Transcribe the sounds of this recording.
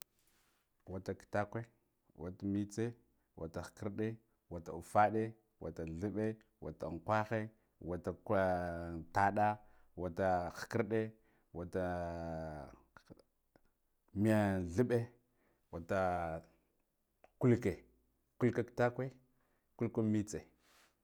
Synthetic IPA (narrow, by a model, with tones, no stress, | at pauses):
wa˨ta˨ki̥˨ta˦kʷe˦ | wa˨ta˨mi˦t͡se˦ | wʔa̰˨ta˨xki˦ɾɗe˦ | wa˨ta˨u˨fa˦ɗe˦ | wa˨ta˨ɮi˦ɓe˦ | wa̰˨ta̰˨ŋ˨kʷa˦xe˦ | wa˨ta˨a˦ta˦ɗa˦ | wa˨ta˨xki˦ɾɗe˦ | wa˨ta˨ | mi˨ja˨ɮi˦ɓe˦ | wa˨ta˨ | ku˦lke˨ | ku˦lka˦kta˦kʷe˦ | ku˦lkʷa˦mi˦t͡se˨